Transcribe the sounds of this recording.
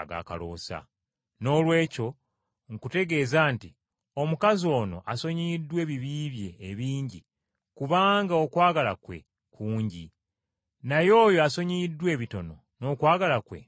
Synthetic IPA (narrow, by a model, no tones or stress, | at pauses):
a̰ɡa̰ka̰lo̰ːsa̰ | no̞ːlwe̞ːco̞ | ŋ̩kute̞ɡe̞ːzaːnti | o̞mukazio̞ːno̞̰ʔaso̞ɲidwe̞ːβiβiːβje̞ːβiːɲɟi | kuβaːŋɡao̞kwaːɡalakwe̞̰ | kʰuːɲɟi | najo̞ːjo̞aso̞ɲidwe̞ːβito̞no̞ | no̞ːkwaːɡalakwe̞̰